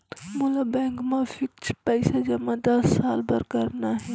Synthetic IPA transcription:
mulabɛ̃ːŋkmãfɪkt͡ʃʰpɛɪsad͡ʒɐmãd̪ɐsːaːlbɐɾkɐɾnaɦɛ

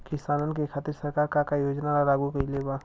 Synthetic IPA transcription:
kɪsaːnənk̬ekʰaːt̪iɾsəɾkaːɾkakajoːd͡ʒnaɾalaːɡukɐileba

